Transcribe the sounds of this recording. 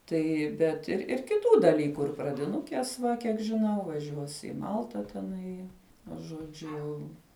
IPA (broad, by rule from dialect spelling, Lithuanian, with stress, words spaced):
ˈtɐɪ ˈbʲɛt ɪr ɪr kʲɪˈtuː dɐˈlʲiːkʊ ɪr prɐdʲɪˈnʊkʲeːs ˈʋɐ kʲiɛk ʒʲɪˈnɐʊ ʋɐˈʒʲuɔs ˈɪ ˈmɐlˠtɐ tʲɛˈnɐɪ nʊ ʒoːˈd͡ʒʲʊ jɛʊ